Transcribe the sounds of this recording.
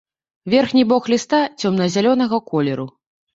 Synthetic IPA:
vʲɛrxnʲibɔxlʲist̪at͡sʲɔmnɐzʲalʲɔn̪ɐɣɐkɔlʲɛɾu

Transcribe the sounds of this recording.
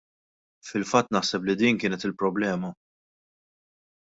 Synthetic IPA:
fɪlfɐt̪ːnɐħsɛp̬lid̪iːnkɪːnɛt̪ɪlpɾɔblɛːmɐ

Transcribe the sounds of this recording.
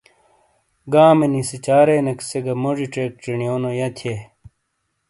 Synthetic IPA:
ɡaːmenisit͡ɕaːɾenekseɡɐmoʐiʈ͡ʂek̚ʈ͡ʂiɳijoːnojɐt̪ʰe

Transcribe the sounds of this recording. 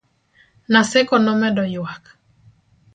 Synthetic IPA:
nasɛkɔnɔmɛdɔjwak

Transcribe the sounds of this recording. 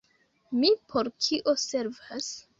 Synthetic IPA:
mipʰo̞ɾkʰiʔose̞ɾvas

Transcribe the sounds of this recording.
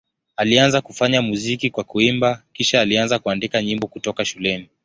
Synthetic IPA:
alianzakufaɲamuzikikwakuimbakiʃaːlianzakuandikaɲimbɔkutɔkaʃulɛni

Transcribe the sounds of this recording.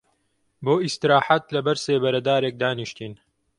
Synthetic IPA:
boːist̪iɾaːħat̪lɐbɐɾseːbɐɾɐd̪aːɾeːk̚d̪aːniʃt̪iːn

